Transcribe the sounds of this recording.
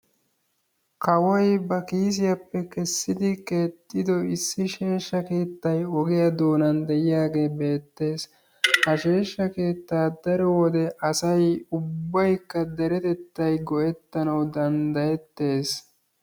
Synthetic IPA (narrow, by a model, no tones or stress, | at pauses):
kɐwɐjbɐkiːs̬ɪjɐpːɛkɛsːɪd̪ɪke̞ːt̪ʼːɪd̪ɔɪsːɪʃe̞ːʃːɐke̞ːt̪ːɐjɔɡɪjɐd̪o̞ːnɐnd̪ɛʔɪjaːɡe̞ːbe̞ːt̪ːe̞ːs | hɐʃe̞ːʃːɐke̞ːt̪ːaːd̪ɐɾɔwɔd̪ɛʔɐsɐjʊbːɐjkːɐd̪ɛɾɛt̪ɛt̪ːɐjɡɔʔɛt̪ːɐnɐwd̪ɐnd̪ɐjɛt̪ːe̞ːs